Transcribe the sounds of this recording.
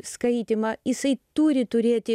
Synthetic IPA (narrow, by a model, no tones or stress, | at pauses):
skɐɪt̪ʲɪmɐjɪsɐɪt̪uːɾʲɪt̪ʊɾʲeːt̪ʲɪ